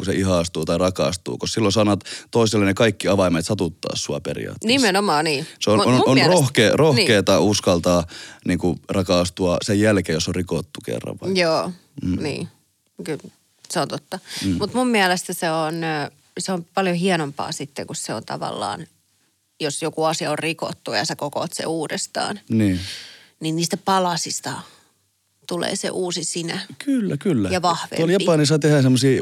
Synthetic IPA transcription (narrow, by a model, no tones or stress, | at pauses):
kuseʔiɦɑˑst̪uːt̪ɑirɑkɑ̰ˑst̪ṵːkossilːonsɑˑːnɑt̪t̪oiselːenekɑikːiɑʋɑimet̪sɑt̪ut̪ːɑ̰ːssuɑperḭɑ̰ːt̪ːnismenomɑːniːseonoonrohkeːrohkeːt̪ɑuskɑlt̪ɑːniːŋkurɑkɑˑst̪uɑsejjælkeːjosːorrikot̪ːukḛrːɑ̰ʋʋɑjoː | nḭː | kyl | seont̪ot̪ːɑmut̪mummiælest̪æseon | seompɑljohiɛnompɑ̰ːsit̪ːekusseo̰nt̪ɑ̰ʋɑ̰lːɑ̰ːn | josjokuɑsiɑorriko̰t̪ːujɑsekoko̰t̪sḛuːdest̪ɑ̰ːnniːninniːst̪æpɑlɑsist̪ɑ | t̪ulḛːsḛʔuːsisinækylːækylːæjɑʋɑhʋḛt̪oljɑpɑˑnisɑt̪ehæˑsemːosiː